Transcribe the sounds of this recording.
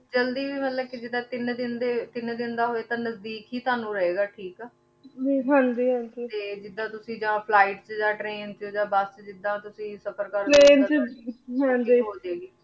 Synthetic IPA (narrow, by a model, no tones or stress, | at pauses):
d͡ʒəld̪iːbiːmət̪ləbkɪd͡ʒɪd̪ãːt̪ɪnd̪ɪnd̪eːt̪ɪnd̪ɪnd̪aːɦoːeːt̪ãːnəzd̪iːkɦiːt̪oaːnũːɾəɦeːɡaːʈʰiːkɛː | d͡ʒiːɦãnd͡ʒiːɦə̃nd͡ʒiːt̪eːd͡ʒɪd̪ːãːt̪ʊsĩːd͡ʒãːpʰlaːɪʈt͡ʃd͡ʒãːʈɾeːnt͡ʃːd͡ʒãːbəst͡ʃd͡ʒɪd̪ːãːt̪ʊsĩːsəpəɾkəɾɾeːnt͡ʃɦãnd͡ʒiːɦoːd̪eːɡiː